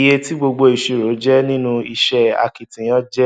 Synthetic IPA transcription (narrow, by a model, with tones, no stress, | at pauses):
je˦ti˦ɡ͡bo˧ɡ͡bo˧i˨ʃe˨ɾo˨˦d͡ʒɛ˦nĩ˦nũ˧i˧ʃɛ˦a̰˨ki˨tĩ˨j̃ɔ̃˦d͡ʒɛ˦